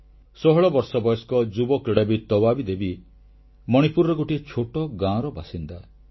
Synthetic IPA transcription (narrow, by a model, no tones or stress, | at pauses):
sɔɦɔɭɔbɔɾsɔbɔjɔskɔd͡ʒubɔkɾiɽabit̪ɔbabid̪ebi | mɔɽ̃ipuɾɔɾɔɡoʈit͡ʃʰoʈɔɡãɾɔbasind̪a